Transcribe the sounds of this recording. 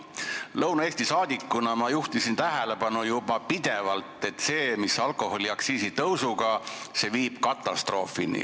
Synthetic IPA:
lɤwnɑeːst̪isɑːd̪ʲikːunɑmɑjuht̪isint̪æɦele̞bɑnujub̥ɑpid̪̥e̞vɑlt̪ˑːe̞t̪ːse̞ːmisɑlko̞ho̞liɑksiːsit̪ɤwsuɡ̥ɑse̞viːb̥kɑt̪ːˑɑst̪ro̞ːfinḭ

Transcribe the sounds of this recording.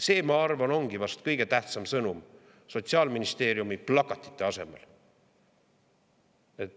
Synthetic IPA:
se̞ːmɑɑrvɑno̞ŋɡ̥ivɑst̪kɤjɡ̥et̪æht̪sɑmsɤnum | so̞t̪siɑːlminist̪e̞ːɾjumiplɑkːˑɑt̪ːˑi̥t̪ːˑe̞ɑse̞mḛl | et̪ː

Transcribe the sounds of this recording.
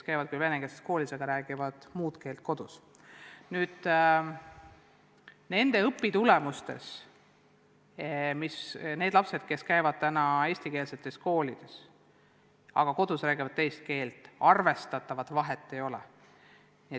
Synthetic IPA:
skæjvɑd̪̥̚kujve̞neŋɡ̥esesko̞ːlʲiseɡ̥ɑɾæːɡ̥ivɑd̪̥muːt̪ke̞ːlt̪̚ko̞d̪̥us | nyːd̪̥ | ne̞nd̪̥e̞ɤpːit̪ulɛmust̪e̞̰s | misne̞ːd̪̥lɑpse̞d̪̥ke̞skæjvɑd̪̥̚t̪ænɑe̞ːsʲt̪ike̞ːlse̞t̪ːˑe̞sko̞ːlid̪̥e̞s | ɑ̰ɡ̥ɑko̞d̪̥usɾæːɡivɑd̪̥t̪e̞jst̪̚ke̞ːlt̪ˑɑrve̞st̪ɑt̪ːˑɑvɑd̪vɑɦe̞t̪ˑːe̞jo̞lɛ̰ | nie

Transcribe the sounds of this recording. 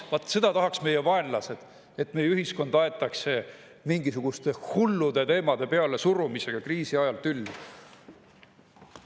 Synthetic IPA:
vɑt̪ːˑse̞d̪̥ɑt̪ɑɦɑksme̞jevɑe̞nlɑse̞d̪̥ | et̪ːˑme̞jeyɦisko̞nd̪ɑe̞t̪ːˑɑkse | miŋɡ̥isuɡ̥ust̪e̞hulːud̪et̪e̞ːmɑd̪̥e̞pe̞ɑle̞surumise̞ɡ̥ɑkriːsiɑjɑlt̪ylː

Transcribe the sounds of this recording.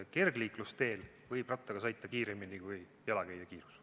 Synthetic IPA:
ke̞rɡliːklust̪e̞ːl | vɤjb̥rɑt̪ːˑɑɡ̥ɑsɑjt̪ːˑɑkiːɾeminikuj | jɑlɑkæjd̪ɑkiːɾus

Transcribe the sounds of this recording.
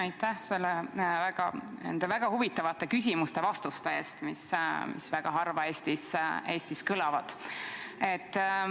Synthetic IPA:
ɑjt̪ːˑæhse̞lːevæɡ̥ɑnḛnd̪̥evæɡ̥ɑhuvit̪ːˑɑvɑt̪ːˑe̞kys̬ʲimust̪e̞vɑst̪ust̪eeːst̪mismḭsvæɡ̥ɑɦɑrvɑe̞ːst̪ise̞ːst̪iskɯlɑvɑd̪̥ | e̞t̪ːˑ

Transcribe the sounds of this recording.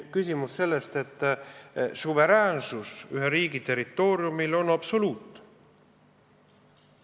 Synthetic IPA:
kysʲimusse̞lːe̞st̪e̞t̪ːˑ | suve̞ɾæːnsusyɦeɾiːɡit̪e̞ɾit̪ːˑo̞ːɾiumilo̞nɑpso̞luːt̪ːˑ

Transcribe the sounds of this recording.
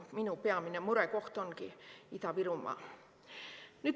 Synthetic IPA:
minupeɑminemuɾekoht̪oŋkiit̪ɑʋirumːˑɑ̰ː | nyt̪

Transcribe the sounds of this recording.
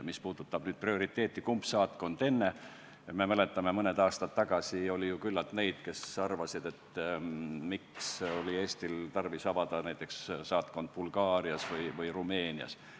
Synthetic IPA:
mispuːd̪̥ut̪ːˑɑb̥nyːd̪̥̚prio̞ɾit̪ˑːe̞ːt̪ːˑikumpsɑːt̪̚ko̞nd̪̥e̞nːe̞ | me̞mæle̞t̪ːˑɑmemɤned̪ɑːst̪ɑt̪ːɑɡ̥ɑsio̞lʲijukylːɑt̪ne̞jd̪̥ke̞sɑrvɑsid̪̥e̞t̪ | mikso̞lʲie̞ːsʲt̪ilt̪ɑrvisɑvɑd̪̥ɑnæjt̪ːˑekssɑːt̪̚ko̞nd̪̥̚b̥ulɡɑːɾiɑsvɤjvɯjrume̞ːniɑ̰s

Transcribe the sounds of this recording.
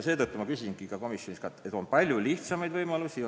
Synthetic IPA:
se̞ːt̪ɤt̪ːˑumɑkysinɡ̥ikɑko̞misjo̞niskɑt̪et̪ːˑo̞npɑlʲjuliht̪sɑmɑjd̪vɤjmɑlusi

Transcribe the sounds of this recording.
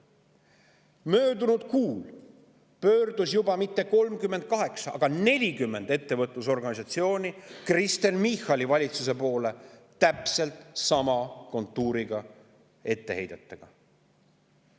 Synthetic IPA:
mø̞ːd̪unud̪̥̚kuːl | pø̞ːrd̪̥usjubɑmit̪ːe̞ko̞lmkymːed̪̚kɑɦe̞ksɑʔɑ̰ɡ̥ɑne̞lʲikymːe̞nd̪̥e̞t̪ːe̞vɤt̪ˑluso̞rɡɑnis̬ɑt̪sio̞ːnʲikrist̪e̞nmixɑlʲivɑlʲit̪sus̬e̞po̞ːle̞t̪æpse̞lt̪sɑmɑko̞nt̪ˑːuːɾiɡ̥ɑ | e̞t̪ːe̞he̞̰jd̪et̪ːˑeɡ̥ɑ

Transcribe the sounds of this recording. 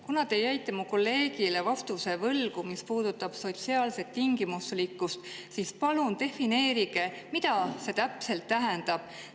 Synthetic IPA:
kunɑd̪e̞jæjt̪ːˑemuko̞lːe̞ːɡ̥ile̞vɑft̪use̞vɤlɡ̥umispuːd̪̥ut̪ːˑɑb̥so̞t̪siɑːlse̞t̪ːiŋɡ̥imuslikːˑust̪sispɑlunt̪e̞fine̞ːɾiɡe̞ | mit̪ɑse̞t̪æpse̞lt̪ːæɦend̪̥ɑb̥̚

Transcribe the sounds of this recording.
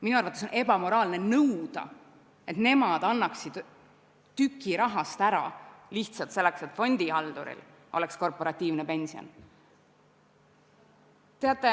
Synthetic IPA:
minuɑrvɑt̪ːˑesone̞bɑmo̞ɾɑːlne̞nɤwd̪̥ɑ̰ | e̞t̪ne̞mɑd̪̥ɑnːɑksid̪̥ | t̪ykːˑiɾɑɦɑst̪æɾɑ̰liht̪sɑlt̪se̞lːekse̞t̪ːˑfo̞nʲd̪̥iɑld̪̥ṵɾḭl | o̞̰leksko̞rpo̞ɾɑt̪ʲːiːvnepe̞nʲsio̰n | t̪e̞ɑt̪ːˑe

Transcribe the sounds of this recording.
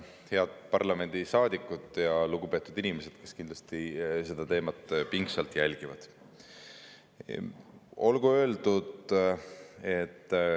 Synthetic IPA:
heɑd̪̥̚pɑrlɑme̞nʲd̪̥isɑːd̪̥ikːˑud̪ˑjɑluɡupe̞ːt̪ːˑud̪inimese̞d̪̥ke̞skind̪lɑst̪ise̞d̪̥ɑt̪e̞ːmɑt̪ːpiŋksɑlt̪ˑjælʲɡ̥ivɑ̰d̪̥ | o̞lɡuø̞ːld̪̥ud̪̥ | et̪ː

